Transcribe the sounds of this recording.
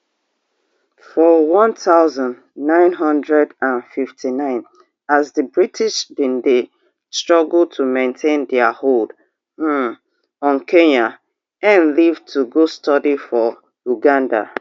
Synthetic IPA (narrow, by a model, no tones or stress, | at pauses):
fɔwɔ̃ntʰaʊzə̃n | nãɪ̃nɦʌ̃ndɹɛdãnfiftʰinãɪ̃n | azðəbɹitʰiʃdĩnde | stɹ̥ɔɡl̩ˠtʰumẽntʰẽndɛahold̩ | ɔ̃nkʰẽɲa | ɛ̃nlivtʰuɡostʰɔdifɔ | uɡãnda̰